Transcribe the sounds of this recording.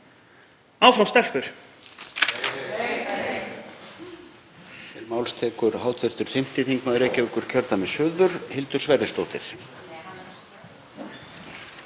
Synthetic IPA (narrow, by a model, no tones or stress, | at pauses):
aːwfɾawmst̪ɛl̥pʏɾ̥ | ɪɾmawlst̪ʰɛːkʏɾɦawt̪ʰvɪr̥t̪ʏɾ̥θɪm̥t̪ɪθiŋkmaðɾeːjcɪʏkʏɾ̥cʰœɾt̪amɛðsʏːðʏɾhɪlt̪ʏɾ̥svɛrːɪst̪owt̪ɪ̰ɾ̥